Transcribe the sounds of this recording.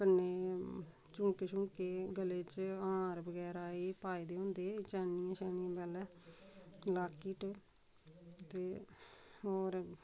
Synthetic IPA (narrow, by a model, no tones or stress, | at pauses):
kənːeː | t͡ʃũːkeːt͡ʃũːkeːɡəleːt͡ʃãːɾbəɡɛːɾaːeːpaːiːd̪eːɦõːnd̪eːt͡ʃɛːnijãːʃɛːniãːbɛːlɛː | laːkiːʈ | t̪eː | oːɾ